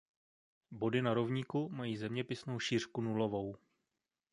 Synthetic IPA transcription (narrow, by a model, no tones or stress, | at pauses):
bo̞dɪnaɾovɲiːkumajiːzɛmɲɛpɪsno̞wʃiːr̝̥kunulo̞vo̞w